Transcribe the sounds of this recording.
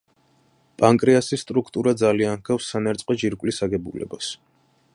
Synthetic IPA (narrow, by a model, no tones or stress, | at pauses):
pʼaŋkʼɾiasisːt̪ʼɾukʰt̪ʼuɾad̪zalianhkʰafsːanɛɾt̪sʼqʼɔd͡ʒiɾkʼwlisaɡɛbṵlɛ̰bas